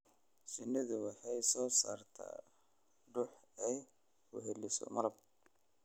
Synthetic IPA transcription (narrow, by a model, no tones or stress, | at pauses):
sɪnːɪðʊwɑħɑjsɔːsa̰ːrt̪ʰa̰ː | ɖʊħɛj | ʊ̰ɦɛlɪsɔ̰mɐɾɐb̚